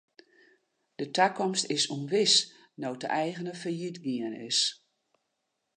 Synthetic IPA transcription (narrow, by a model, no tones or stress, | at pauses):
d̥ətʰakɔmstɪsumʋɪs | nowtə̰ʔɛjɣənəfərjitɡiənɪ̰s